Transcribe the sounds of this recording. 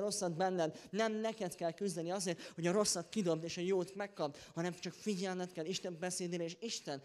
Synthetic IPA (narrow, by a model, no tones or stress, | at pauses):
ɾo̞sːɒd̪bɛnːɛd̪nɛmnɛkɛt̪kɛlkyzd̪ɛniɒzeːrt̪ho̞ɟɒɾo̞sːɒt̪kid̪o̞b̚d̪eːʃɒjoːt̪mɛkːɒb̚t̪hɒnɛmt͡ʃɒkfiɟɛlmɛt̪̚kɛliʃt̪ɛmbɛseːd̪eːɾɛeːʃiʃt̪ɛn